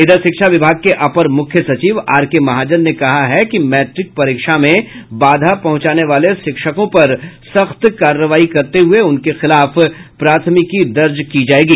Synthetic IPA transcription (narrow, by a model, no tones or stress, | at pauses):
ɪd̪əɾʃɪkʃaʋɪbʱaːɡ̚keʔɐpəɾmʊkʰjəsɐt͡ʃiːʋaːɾkemɐɦaːd͡ʒənːekɐɦaɦɛkimɛːʈɾɪk̚pɐɾiːkʃamẽbaːd̪ʱapɐɦʊ̃t͡ʃaːneʋaːleʃɪkʃəkõpɐɾsɐxt̪kaːɾːəʋaːikɐɾt̪eɦʊeʊnkexɪlaːfpɾaːt̪ʰəmɪkid̪ɐɾd͡ʒkid͡ʒaːeːɡiː